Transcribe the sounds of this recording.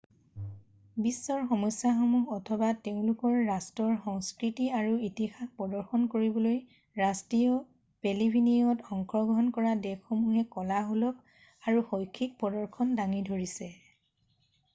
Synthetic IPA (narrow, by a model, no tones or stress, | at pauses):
bisːɔɹxɔmɔsjaxɔmuɦɔtʰɔbateʊ̃lʊkɔɹːastɔɹxɔŋskɹitiaɹuitixaxpɔdɔɹxɔnkoɹibɔloj | ɹastɹiɔ | pelibʱiniɔtɔŋkʰɔɡɹɔɦɔnkɔɹadɛkːɔmuɦɛkɔlaɦolɔk̚ | aɹuxojkʰːik̚pɔdɔɹkʰɔndaŋidʱoɹisɛ